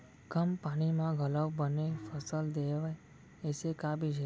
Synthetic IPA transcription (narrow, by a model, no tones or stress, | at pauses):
kəmpaɽ̃imãɡʱələwbənefəsəld̪eʋaj | esekabid͡ʒe